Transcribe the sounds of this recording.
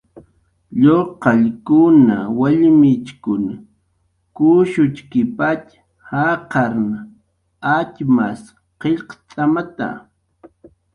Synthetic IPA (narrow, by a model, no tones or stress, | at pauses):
ʎoqɑʎkʊnawaʎmɪt͡ʃkʊn | kʊʃʊt͡ʃkɪpat͡ʃ | haqɑɾn | at͡ʃmas | qeʎqt͡sʼamat̪a̰